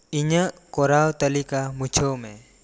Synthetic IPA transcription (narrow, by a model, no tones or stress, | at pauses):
iɲəʔkɔɾawt̪əlikamut͡ʃʰəwmɛ